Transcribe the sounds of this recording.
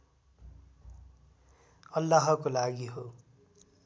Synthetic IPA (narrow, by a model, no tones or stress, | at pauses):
ʌlːaɦʌkolaɡiɦo